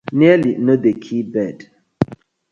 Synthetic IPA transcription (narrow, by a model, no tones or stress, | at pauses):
niliʔnədekʰibɛd